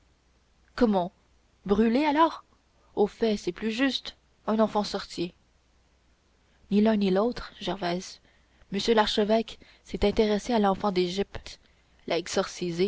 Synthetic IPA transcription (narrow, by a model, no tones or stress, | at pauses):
kɔmɑ̃ | bʁylealɔːʁ | ofɛsɛplyʒyst̪ | œ̃nɑ̃fɑ̃sɔʁt̪je | nilœ̃nilot̪χʒɛʁvɛz | məsjølaʁʃəvɛk | sɛt̪ɛ̃t̪eʁesealɑ̃fɑ̃d̪eʒip̚t̪ | lʔaɛɡz̥ɔʁsize